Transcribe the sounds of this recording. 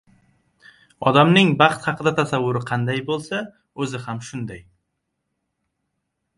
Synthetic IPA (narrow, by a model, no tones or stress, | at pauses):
ɒd̪amnɪŋbɑqt̪hɑqʰɨd̪at̪ʰasavːʊɾɪqʰɑnd̪ajbolˠsa | ɵzɪhamʃʊnd̪aj